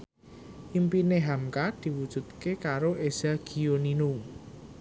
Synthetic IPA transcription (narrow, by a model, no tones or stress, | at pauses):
ʔimpineɦamkad̪̥i̤wud̥ʒ̥ṳt̪̚kekaɾoʔez̥aɡ̥i̤oninu